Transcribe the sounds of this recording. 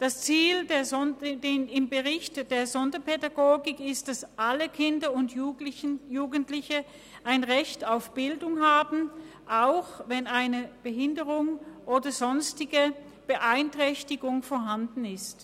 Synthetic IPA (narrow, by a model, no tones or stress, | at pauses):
d̥ast͡siːldeːɐdenɪmbəʁɪçtd̥eːɐzɔndɐpʰedaɡoːɡɪkɪst̚d̥asʔaləkʰɪndɐʊnt | juːɡən̩tlɪçə | ʔaɪnʁɛçtaʊfb̥ɪldʊŋɦaːbn̩ | ʔaʊxvɛnaɪnəb̥əɦɪndəʁʊŋʔoːdɐzɔnstɪɡə | b̥əʔaɪntʁ̥ɛçtɪɡʊŋfoːɐɦandn̩ɪst